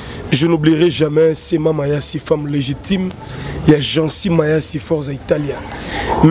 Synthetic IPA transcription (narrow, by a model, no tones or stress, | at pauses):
ʒənobliʁɛʒamɛsemamajasifamleʒitʰim | jaʒɑ̃simajasifɔʁzaitalja | m